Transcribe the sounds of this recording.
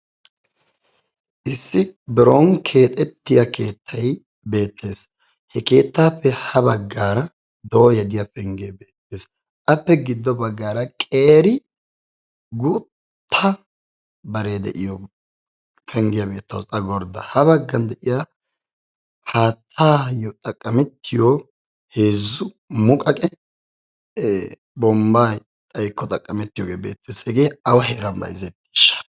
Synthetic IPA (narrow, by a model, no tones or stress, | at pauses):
ʔɪsːɪbɪɾoːŋkʰe̞ːt̪ʼɛt̪ːɪjɐke̞ːt̪ʰːɐj | be̞ːt̪ːe̞ːs | hɛke̞ːt̪ːaːpːɛhɐbɐɡːaːɾɐ | d̪oːjɛd̪ɪjɐfɛŋɡebe̞ːt̪ːe̞ːs | ʔɐpːɛɡɪd̪ːɔbɐɡːaːɾɐkʼeːɾɪ | ɡʊ | t̪ʰːɐ | bɐɾeːd̪ɛ̰ʔɪjɔ | fʰɛŋɡɪjɐbe̞ːt̪ːɐwʼɐɡɔɾd̪ɐ̰hɐbɐɡːɐnd̪ɛʔɪja | haːt̪ʰːaːjɔt̪ʼɐkʼːɐmɛt̪ʰːɪjo | heːzːʊ | mʊkʼɐkʼɛ | bɔmbaːj | t̪ʼɐjkːɔt̪ʼɐkʼːɐmɛt̪ːɪjoɡeːbḛːt̪ʰːɪsɛɡeːɐwɐɦɛɾɐmbɐ̰jzɛt̪ːi̥ʃɐ̥